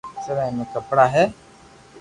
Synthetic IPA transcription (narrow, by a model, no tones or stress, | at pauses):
səɾãːɪnəkəpɽaːɦɛː